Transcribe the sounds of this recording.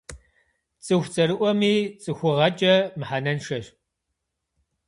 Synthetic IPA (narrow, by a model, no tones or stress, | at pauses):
t͡sʼɨxʷt͡sʼɐɾɨʔʷɔmiːt͡sʼɨxʷʊʁɐt͡ʃʼɐmɨħanɐnʃɐɕ